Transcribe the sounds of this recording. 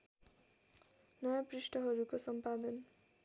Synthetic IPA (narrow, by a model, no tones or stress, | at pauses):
nʌjaprisʈʌɦʌɾukosʌmpad̪ʌn